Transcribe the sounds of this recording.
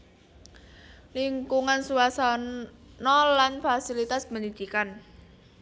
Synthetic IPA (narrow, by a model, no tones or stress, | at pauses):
liŋkuŋansuasa | nɔlanfasilit̪asməɲud̪̥ikan